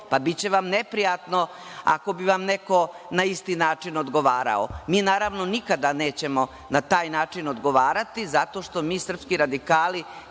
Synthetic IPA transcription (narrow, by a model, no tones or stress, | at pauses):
pabit͡ɕe̞ʋamnepɾijat̪no̞ | a̰ko̞biʋamne̞ko̞ | naist̪iːnaːt͡ʂinod̪ɡo̞ʋaːɾa̰o̰miːnaːɾaʋno̞nikad̪ane̞ːt͡ɕe̞mo̞ | nat̪aːjnaːt͡ʂinod̪ɡo̞ʋaːɾat̪izat̪o̞ːʂt̪o̞miːsr̩pskiɾad̪ikaːli